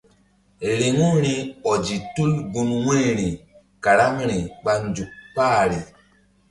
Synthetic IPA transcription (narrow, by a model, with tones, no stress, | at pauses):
ɾe˨ŋu˦ɾi˦ɔ˨d͡ʒi˨tu˦lɡu˦nwe˦˨ɾi˨ | ka˨ɾa˦ŋɾi˨ɓa˦nd͡ʒu˨k̚paː˦˨ɾi˨